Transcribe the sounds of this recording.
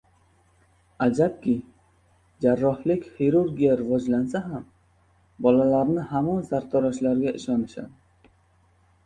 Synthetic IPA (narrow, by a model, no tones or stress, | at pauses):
ad͡ʒap̚kʲʰɪ | d͡ʒaɾːɒhlɪkʲhiɾuɾɡʲijaɾɪvɒd͡ʒlansaɦam | bɒlalaɾnɪhamɒnsaɾt̪ʰɒɾaʃlaɾɡʲaʔɪʃɒnɪʃa̰d̪ɪ